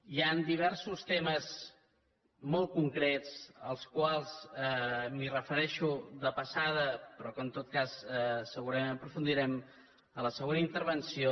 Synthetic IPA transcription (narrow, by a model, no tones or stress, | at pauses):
iand̪iβ̞ɛɾsust̪eməz | mɔlˠt̪̚kuŋkɾet͡səlˠskwalˠzɛmirəfəɾɛʃuðəpəsaðəpɾɔkənt̪ot̪̚kasɛsəɣuɾəmẽmpɾufund̪iɾɛm | ələsəɣonəint̪əɾβənsio